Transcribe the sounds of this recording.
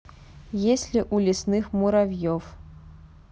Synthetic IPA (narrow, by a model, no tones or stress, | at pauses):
jesʲlʲiʔulʲisnɨxmuɾavʲjɔf